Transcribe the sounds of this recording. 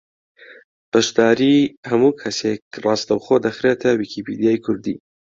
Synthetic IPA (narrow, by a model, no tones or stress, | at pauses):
b̥ɐʃd̪aːɾiːhɐmuːkʰɐsekrɑst̪ɐwxod̪ɐxɾet̪ʰɐwikʰipʰid̪ijaːjkʰʊɾd̪ḭː